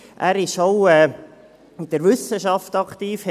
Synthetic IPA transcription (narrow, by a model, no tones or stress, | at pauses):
ʔæːɾɪʃowɛː | d̥əɾʋʏsəʃɑftɑkt̪iːfhɛ